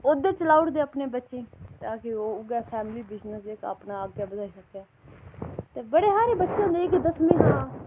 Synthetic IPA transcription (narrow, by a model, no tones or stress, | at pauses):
od̪eːt͡ʃəlaːʊʈd̪eːəːpneːbətːʃẽːt̪ãːkɪoːʊɡɛːpʰɛːmliːbɪznəsekə̰pnaːəɡjaːbəd̪aːiːsəkːɛː | t̪eːbəɽeːsaːɾeːbətːʃãːd̪eːɪkd̪əsmẽːɦãː